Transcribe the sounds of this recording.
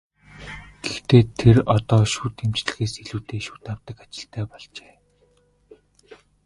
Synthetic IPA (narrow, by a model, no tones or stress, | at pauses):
ɡ̥ext̪eːt̪ʰerɔt̪ɔːʃuːt̪emt͡ɕɮɘ̆xeːseɮuːt̪eːʃu̥ːt̪awt̪ə̆kat͡ɕɪ̆ɬt̪ʰæːpɔɮt͡ɕe̥ː